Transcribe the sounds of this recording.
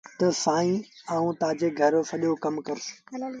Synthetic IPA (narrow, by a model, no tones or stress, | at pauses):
t̪ɐsaːĩaːũːt̪aːd͡ʑeːɡʱɐɾfɐɗjokɐmkɐɾɪs